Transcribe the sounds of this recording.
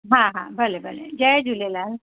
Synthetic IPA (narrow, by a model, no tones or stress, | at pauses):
ɦãɦã̰ːbəlebəlḛd͡ʒəjd͡ʒulelaːl